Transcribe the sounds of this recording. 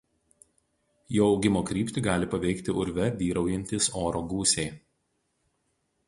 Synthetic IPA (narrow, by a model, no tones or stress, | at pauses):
joːɒʊɡʲɪmoːkɾʲiːpʲt̪ʲɪɡɑːlʲɪpɐʋʲɛɪkt̪ʲɪʔʊɾʲʋʲɛʋʲiːɾɐʊjɛnʲt̪ʲɪsoːɾoːɡuːsʲeɪ